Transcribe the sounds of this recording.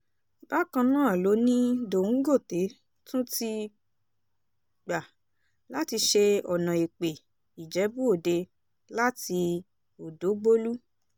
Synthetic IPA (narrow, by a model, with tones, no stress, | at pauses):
ba˦kã˧nãː˦˨lo˨˦nĩ˦do˨ŋ̩˦ɡo˦˨te˨˦ | tũ˦ti˧ | ɡ͡ba˨ | la˦ti˧ʃe˧ɔ˨nã˨e˨k͡pe˨ | i˨d͡ʒɛ˨˦bu˦o˦˨de˧ | la˦ti˧ | o˨do˨˦ɡ͡bo˦lu˦